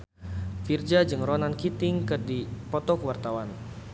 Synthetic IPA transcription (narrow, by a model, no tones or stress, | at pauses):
fird͡ʒad͡ʒɨŋrɔnankit̪ɪŋkɨrdipɔt̪ɔkəwart̪awan